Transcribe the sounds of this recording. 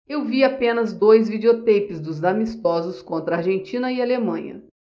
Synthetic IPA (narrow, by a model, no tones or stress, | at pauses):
ewviapẽnɐzd̪ojzvid͡ʒeot̪ejpɪzd̪ʊzd̪amist̪ɔzʊskõnt̪ɾɐaɾʒẽnt͡ʃĩnɐɪalemɐ̃ɲɐ̰